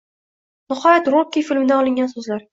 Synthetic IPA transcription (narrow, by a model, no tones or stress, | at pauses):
nɪhɒjat̪ɾokʲːifɪlmɪd̪aɒlˠɪŋɡʲansɵzlaɾ